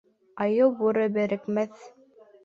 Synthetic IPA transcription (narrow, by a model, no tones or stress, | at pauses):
ɑjɤwbuɾɤbɘ̆ɾɘ̆kmæθ